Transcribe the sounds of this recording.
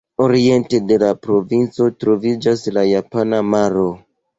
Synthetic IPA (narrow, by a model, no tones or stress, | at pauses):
o̞ɾie̞nte̞de̞lapɾo̞vint͡so̞tɾo̞vid͡ʒaslajapanamaɾo̞